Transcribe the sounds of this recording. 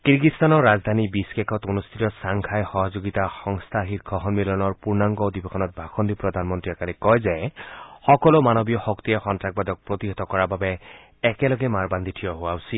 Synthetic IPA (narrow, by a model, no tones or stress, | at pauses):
kiɹɡitst̪anɔɹːazd̪ʱanibiskɛkʰɔtonust̪ʰitɔsaŋkʰajxɔɦɔzoɡitaxɔŋst̪ʰaxitkʰɔɦɔnmilɔnɔɹpuɹnaŋɡɔdibɛxʰɔnɔt̪̚bʱaxɔndipɹɔdʱanmɔntɹiɛkalikɔjzɛxɔkɔlomanɔbijɔxɔkt̪ijɛxɔntɹak̚bad̪ɔk̚pɹot̪iɦɔt̪ɔkɔɹababɛː | kɛlɔɡɛmaɹband̪ʱitʰijɔɦʊwaʊsil